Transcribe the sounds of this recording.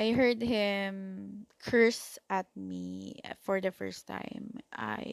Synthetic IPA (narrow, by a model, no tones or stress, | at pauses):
ʔajɦɜɹd̪̚hɪmkʰɜɹsʔat̪̚mifɔɹd̪ɐfɛ̰ɹst̪ʰːã̰ɪmʔa̰j